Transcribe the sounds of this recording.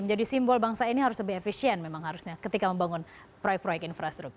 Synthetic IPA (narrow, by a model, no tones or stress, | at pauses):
məɲd͡ʒadisimbɔlbaŋsainiɦaɾʊsləbɪɦefisiɛnmemaŋɦaɾusɲakət̪ikaməmbaŋʊn | pɾojɛk̚pɾojɛkinfɾast̪ɾuk̚t